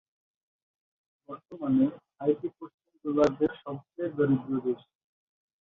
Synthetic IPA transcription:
bɔɾt̪omane | ajʈipɾoʃt͡ɕimd̪olaɾd̪eɾʃɔbt͡ɕebaɾid̪iod̪eʃ

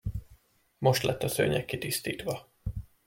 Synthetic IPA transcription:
mo̞ʃt̪lʔɛt̪ːɒsø̰ːɲɛkːit̪ist̪iːt̪ʋɒ

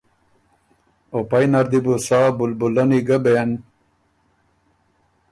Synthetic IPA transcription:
opajnaɾd̪ibusaːbulbulɐniɡɐben

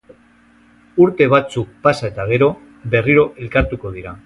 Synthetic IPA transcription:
uɾt̪e̞β̞at͡suk̚pasaet̪aɣ̞e̞ɾo̞ | βe̞riɾo̞ʔe̞lkaɾt̪uko̞ðiɾa

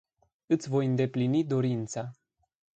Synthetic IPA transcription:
ɨt̪sʲvo̞jɨnd̪e̞plinid̪o̞ɾint̪sa

